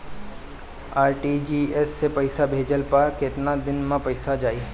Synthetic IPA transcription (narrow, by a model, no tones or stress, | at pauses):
aːɾʈid͡ʒiːesːepɐɪsabʱeːd͡ʒəlpakɪt̪nad̪ɪnmãpɐɪsad͡ʒaːiː